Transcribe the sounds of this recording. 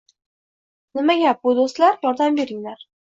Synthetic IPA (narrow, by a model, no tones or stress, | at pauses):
nɪmaɡʲab̚ʊd̪ost̪laɾjɒɾd̪ambe̞ɾɪŋlaɾ